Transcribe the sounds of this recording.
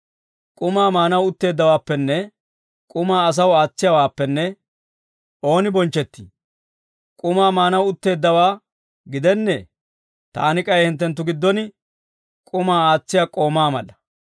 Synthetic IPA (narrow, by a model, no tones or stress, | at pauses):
kʼʊmaːmaːnɐwʊt̪ːe̞ːd̪ːɐwaːpːɛnːɛ | kʼʊmaːɐs̬ɐwaːt͡sːɪjɐwaːpːɛnːɛ | ʔo̞ːnɪbɔnt͡ʃːɛt̪ːḭː | kʼʊmaːmaːnɐwʊt̪ːe̞ːd̪ːɐwaː | ɡɪd̪ɛnːḛː | t̪a̰ːnɪkʼɐjhɪnt̪̬ːɛnt̪̬ːʊɡɪd̪ːɔnɪ | kʼʊmaːaːt͡sːɪjakʼo̞ːmaːmɐ̰lːɐ